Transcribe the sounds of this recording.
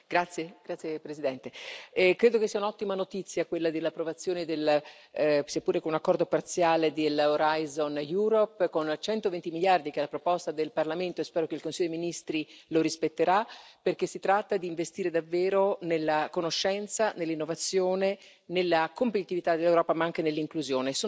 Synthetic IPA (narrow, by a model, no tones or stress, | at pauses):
ɡ̥ɾat̪sːjeɡ̥ɾat̪sːjepɾesid̪ɛnt̪ekɾeːd̪okesːiːaunɔt̪ːimanot̪it̪sːjakwelːad̪elːapːɾovat̪sːjoːned̪el | siapːuːɾekounakːɔrd̪opart̪sjaːled̪eloɾajzonjuːɾopːkont͡ʃɛnt̪ovent̪imiljard̪ikɛlːapɾopɔst̪ad̪elparlament̪oespɛːɾokeilkonsijod̪iminist̪ɾiloɾispet̪ːeɾaperk̟esːit̪ɾat̪ːad̪iːɱvest̪iːɾed̪avːeːɾonelːakonoʃːɛnt̪sanelːinːovat̪sːjoːne | nelːakompet̪it̪ivit̪ad̪elːewɾɔːpamaaŋkenelːiŋkluzjoːnesoː